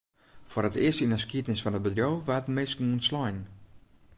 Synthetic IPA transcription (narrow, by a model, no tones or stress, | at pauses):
fʊəɾətɪəstinəskiətnɪsfɔnət̚bədrjowʋatmɪsknuənslɔjn